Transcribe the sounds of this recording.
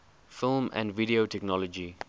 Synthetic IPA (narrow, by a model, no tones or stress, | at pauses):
fɪlˠmə̰̃nviɾiotʰɛknɔlɔd͡ʒi